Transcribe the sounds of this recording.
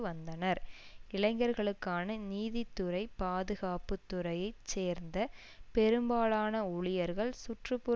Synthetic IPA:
ɯʋɐnd̪ɐnɐɾɪlɐɪŋɡɐɾɣɐɭɯkːaːnɐniːðɪt̪ːɯɾɐɪpaːðɯɣaːpɯt̪ːʊɾɐjɐɪt͡ʃːeːɾnd̪ɐ | pɛɾɯmbaːɭaːnɐʊɭɪjɐɾɣɐɭsʊʈrɯpːʊ

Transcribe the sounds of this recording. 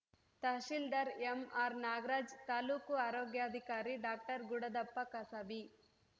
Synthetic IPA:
t̪ɐʃild̪ɐɾemaːɾnaːɡɾaːd͡ʒt̪aːluːkuaːɾoːɡjaːd̪ʱikaːɾiɖaːk̚ʈɐɾɡuɽɐd̪ɐpːɐkɐsɐbi

